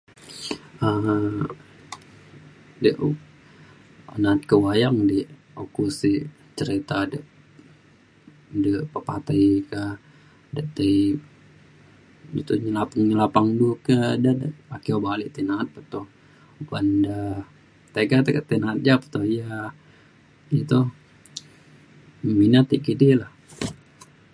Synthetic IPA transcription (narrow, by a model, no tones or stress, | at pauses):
ə | dəʔ | anat̪̚kəwajaŋdi | okusi | t͡ʃəɾit̪adəʔ | dəpəpat̪əjka | dəʔt̪ə | it̪uɲəlapaŋɲəlapaŋdukədadəakiobaliʔt̪inaːt̪̚pət̪uh | bandə | t̪eɡat̪əkət̪inat̪̚d͡ʒapə̥t̪ohja | it̪u | minat̪ːiʔkidilah